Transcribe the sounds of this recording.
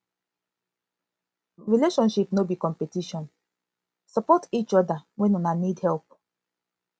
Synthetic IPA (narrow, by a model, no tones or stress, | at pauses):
ɹileʃɔ̃nʃipnobikɔ̃mpetiʃɔ̃n | sɔpɔtit͡ʃɔdawɛ̃nunanidhɛlp̚